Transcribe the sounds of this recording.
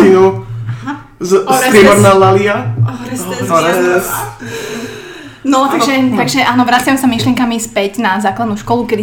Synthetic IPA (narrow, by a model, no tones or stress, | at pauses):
inu | zsɾpɾɪɛmɔɾnɛlalia | ɾɛs | nɔt̪aʒɛt̪aɡʒɛʔaːnɔʋɾat͡sɪamɛsamiʃlɪɛŋkamispɛɟnazaːklad̪nuːʃkɔlukɛd̪i